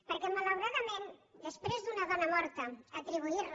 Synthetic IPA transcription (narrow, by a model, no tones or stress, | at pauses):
pəɾkɛmalawɾaðamẽnd̪əspɾezðunaðɔnamɔɾt̪əat̪ɾiβ̞uiɾ